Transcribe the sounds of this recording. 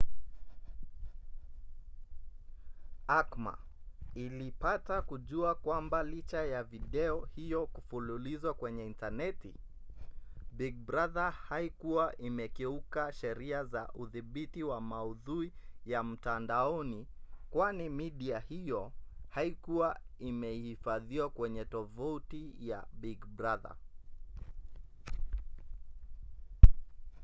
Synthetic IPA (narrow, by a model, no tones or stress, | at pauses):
akma̰ | ilipatakuʄuakwambalit͡ʃajaviɗɛɔhijɔkufululizwakwɛɲɛintanɛtḭ | biɡ̚bɾaðahaikuwaʔimɛkɛukaʃɛɾiazaʔuðiɓitiwamauðuijam̩tandaɔnikwanimiɗiahijɔhaikuwaimɛihifaðiwakwɛɲɛtɔvautija̰biɡbɾaða̰